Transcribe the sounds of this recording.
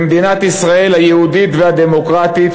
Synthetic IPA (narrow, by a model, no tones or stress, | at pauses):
md̪inat̪isʁae̞lhajehud̪it̪vehad̪emo̞kʁat̪it̪